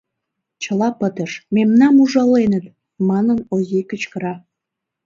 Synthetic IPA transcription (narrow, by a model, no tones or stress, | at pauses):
t͡ɕəlɑpət̪əʃmemnɑmuʒɑlenət̪ | mɑnənozʲikət͡ɕkəɾɑ